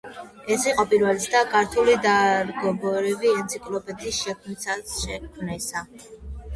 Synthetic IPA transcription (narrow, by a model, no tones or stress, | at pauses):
ɛsiqʼɔpʼiɾvɛlit̪sʰd̪akʰʼaɾt̪ʰulid̪aɾɡɔbɔɾiviɛnt̪sʰikʼlɔpʼɛt̪ʰʼisʃɛkʰmisaʃɛkʰmnɛsa